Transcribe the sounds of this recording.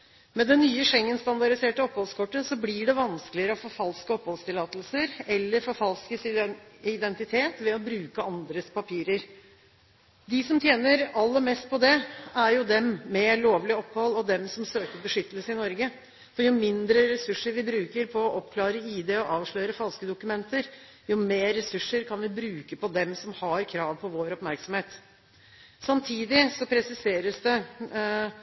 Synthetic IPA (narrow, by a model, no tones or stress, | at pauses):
mɛd̪ɛnyːəʂɛŋːənst̪ɑnd̪ɑɾɪseːʈəɔphɔlskʰɔʈːəsɔblɪɖɛʋɑnskəlɪəɾəɔfoːfɑlskəɔphɔlst̪ɪlɑːt̪lsəɾɛlːəɾfɔɾfɑlskəsɪd̪ɛnt̪ɪt̪ʰeːt̪ʋɛɔbɾʉːkəʔɑnd̪ɾəspʰɑpʰiːɾəɾ | d̪ɪsɔmt̪ʰjeːnəɾɑlːəɾmɛst̪̚pʰɔd̪ɛæɾjʊd̪ɛmmɛloːʋlɪɔpːɑlɔd̪ɛmsɔmsøːkəɾbəʂʏt̪ːəlsəɪnɔɾɡə | fɔɾjʊmɪnd̪ɾəɾɛsʉʂːəɾʋɪbɾʉːkəɾpʰɔːʔɔpːkʰlɑːɾəiːd̪eːɔʔɑːʋʂɭœʏɾəfɑlskəd̪ʊkʉmɛnt̪əɾ | jʊmeːɾːɛsʉʂːəɾkʰɑnʋɪbɾʉːkəpɔd̪ɛmsɔmhɑɾkʰɾɑːʋpʰɔʋoːɾɔpmæɾksɔmheːt̪ | sɑmt̪ʰiːd̪ɪsɔpʰɾɛsɪseːɾəsd̪ɛ